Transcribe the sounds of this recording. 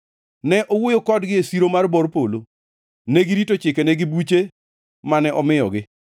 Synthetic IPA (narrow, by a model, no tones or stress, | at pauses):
nɛʔɔwʊjokɔdɡɪesiɾomarbɔrpolo | neɡɪɾitot͡ʃɪkeneɡɪbut͡ʃe | manɛʔɔmɪjɔ̰ɡɪ